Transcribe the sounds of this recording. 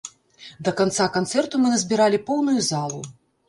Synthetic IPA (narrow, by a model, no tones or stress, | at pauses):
d̪ɐkant̪sakant̪sɛrt̪umɨnɐzʲbʲiɾalʲipɔwnujuzalˠu